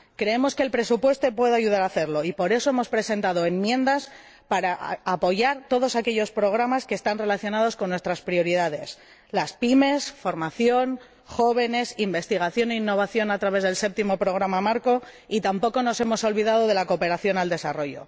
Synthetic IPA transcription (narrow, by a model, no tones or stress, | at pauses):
kɾe̞emoske̞ːlpɾe̞supwe̞st̪o̞pwe̞ðeaʝuð̞aɾaθe̞ɾlo̞ipo̞ɾe̞so̞emo̞spɾe̞se̞nt̪að̞oe̞mːje̞nd̪as | paɾaːpo̞ʝaɾt̪o̞ð̞o̞sake̞ʎo̞spɾo̞ɣ̞ɾamaskeːst̪anre̞laθjo̞nað̞o̞sko̞nːwest̪ɾaspɾio̞ɾiðað̞e̞s | laspime̞sfo̞ɾmaθjo̞n | xo̞β̞e̞ne̞simbe̞st̪iɣ̞aθjo̞ne̞inːo̞β̞aθjo̞nat̪ɾaβe̞zðelse̞p̚t̪imo̞pɾo̞ɣ̞ɾamamaɾko̞ | it̪ampo̞ko̞no̞se̞mo̞so̞lβiðað̞o̞ðe̞lako̞pe̞ɾaθjo̞nald̪e̞saro̞ʝo̞̰